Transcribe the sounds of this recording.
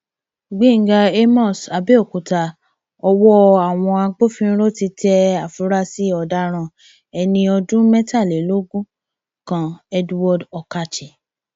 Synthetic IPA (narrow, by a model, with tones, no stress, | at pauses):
ɡ͡bĩ˨˦˨ŋ̩˦ɡa˧e˦mɔ̃˦˨sa˧be˦o˦˨ku˨ta˨ | ɔ˧wɔ˦a˨w̃ɔ̃˧a˧k͡po˦fĩ˦ɾo˦ti˧tʰɛ˧a˨fu˨˦ɾa˦si˦ɔ˧˨da˧˦ɾ̃ã˧˨ | ɛ˧nĩ˧ɔ˧dũ˦mɛ˦ta˦˨le˨˦lo˦ɡũ˦ | kã˨ɛ˦dwɔ˧dɔ˨ka˧t͡ʃe˨